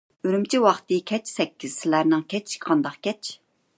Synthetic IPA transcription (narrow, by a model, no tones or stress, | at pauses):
yɾymt͡ʃʰiwɑχt̪ɨkʲʰɛt͡ʃʰsɛkʲːiz̥sɪlæɾnɪŋkʲɛt͡ʃqʰɑnd̪ɑqkʲɛt͡ʃʰ